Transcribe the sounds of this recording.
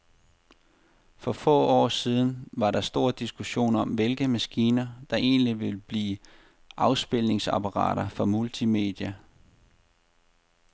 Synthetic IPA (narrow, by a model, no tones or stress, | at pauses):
fɒ̽fɔ̰̽ːɒ̰ːsiːð̞ˠn̩ʋɑ̈ɾɑ̈sd̥o̝ɐ̰d̥isɡ̥uɕo̝̰ːnɒ̽mʋe̝lɡ̥əmæsɡ̥iːnɐd̥ɑ̈ʔe̝̰ːnliʋe̝lb̥liː | ʔɑ̈ʊsb̥e̝lne̝ŋsɑ̈pʰɑʁɑ̰̈ːɾ̥ɐfɒ̽mult͡sʰime̝̰ːd̥jæ